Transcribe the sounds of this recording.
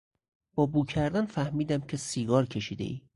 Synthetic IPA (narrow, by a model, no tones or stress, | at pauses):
b̥ɒːbuːcʰæɾd̪ænfæhmiːd̪æmcʰe̞siːɡɒːɾcʰe̞ʃiːd̪e̞̰ʔiː